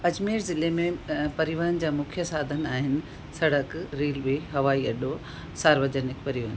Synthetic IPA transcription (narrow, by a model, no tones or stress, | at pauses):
ɐd͡ʑmiːɾzɪlemẽpɐɾiʋaːnd͡ʑaːmʊkʰjəsaːd̪ʱənɪ̆aːɦɪnɪ̆ | sɐɽ̤əkɾiːlbiɦɐʋaːiɐɗo | saːɾʋəd͡ʑənɪkpɐɾiʋaːn